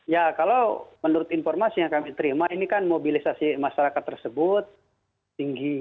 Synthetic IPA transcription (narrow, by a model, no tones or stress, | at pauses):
jakalowmənuɾʊt̪infɔrmasijaŋkamit̪əɾimainikanmobilisasimaʃaɾakat̪ːərsəbʊt̪̚ː | iŋɡi